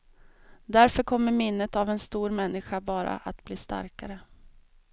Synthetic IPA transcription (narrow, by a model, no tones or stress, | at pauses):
d̪æɾfœɾkʰɔmːəɾmɪnːət̪avɛnst̪uːɾmɛnːɪɧabɑːɾa̰ʔat̪bliːst̪a̰ɾkaɾə